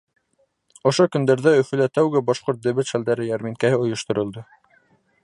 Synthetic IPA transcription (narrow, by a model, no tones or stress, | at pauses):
ŏʃokɵ̆nd̪æɾðæɵ̆fɘ̆læt̪æwɡɘbɑʃqoɾt̪̚d̪ɘ̆βɘt̪ʃæld̪æɾɘjæɾminkæhɘŏjŏʃt̪ŏɾŏlˠd̪o